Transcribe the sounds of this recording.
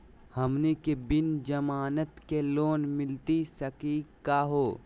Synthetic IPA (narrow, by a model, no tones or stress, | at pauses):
hɐmnekebɪnd͡ʒɐmaːnət̪keloːnmɪlt̪isɐkikkːaɦoː